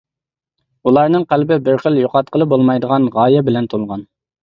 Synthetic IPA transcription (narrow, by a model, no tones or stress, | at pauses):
ulˠɑɾnɨŋqælbɪbɪɾχəljoqɑt̪̚qʰəlˠɨbolˠmɑjd̪əʁɑnʁɑːjɛbɪlɛnt̪ʰolˠʁɑn